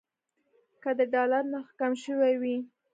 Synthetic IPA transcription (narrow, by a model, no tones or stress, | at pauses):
kəd̪əɖɑlaɾnaxkamʃəwawi